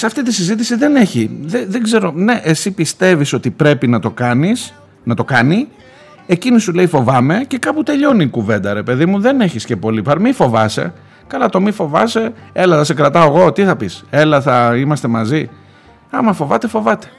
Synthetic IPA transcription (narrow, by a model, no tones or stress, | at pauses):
sɐft̪it̪isizit̪̬isiðe̞ne̞çiðeðeɡze̞ɾo̞ne̞ʔesipist̪e̞viso̞t̪ipɾe̞pinɐt̪o̞kɐnis | nɐt̪o̞kɐni | ecinisule̞ifo̞vɐme̞ce̞kɐput̪e̞ʎo̞niːkuve̞nd̪ɐɾe̞pe̞ðimuðe̞ne̞çisce̞po̞lipɐɾmifo̞vɐse̞̰ | kɐlɐt̪o̞mifo̞vɐ̰se̞e̞lɐθɐsekɾɐt̪ɐoɣo̞t̪iθɐpise̞lɐθɐimɐst̪e̞mɐzi | ɐmɐfo̞vɐt̪e̞fo̞vɐt̪e̞̥